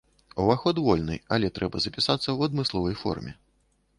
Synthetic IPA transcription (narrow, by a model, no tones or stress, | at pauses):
uvaxɔd̪vɔlʲnɨ̰ɐlʲɛt̪ɾʔɛbɐzɐpʲisat̪sːɐwɐd̪mɨslˠɔvɐjfɔ̰rmʲɛ